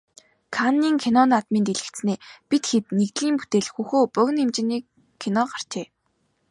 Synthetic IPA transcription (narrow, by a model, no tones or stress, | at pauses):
kʰanːiːŋkʰinɔnat̪miːnt̪eɮɘ̆kt̪sneːpit̪xet̪nekt̪ɮiːmput̪eːɮxuːxoːpœɣ̆ʲnemt͡ɕɪ̆niːkʰː | inɔɢar̥t͡ɕʰeː